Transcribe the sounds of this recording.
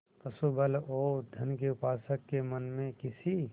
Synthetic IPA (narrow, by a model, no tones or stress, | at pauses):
pɐsubəloːd̪ʱɐnkeʊpaːsəkːemənmẽkɪsi